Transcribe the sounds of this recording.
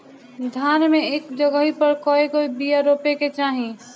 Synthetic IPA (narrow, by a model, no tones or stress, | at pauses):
d̪ʱanmeekd͡ʒəɡəɦipəɾkɔeɡoibijaɾopeket͡ʃaɦĩ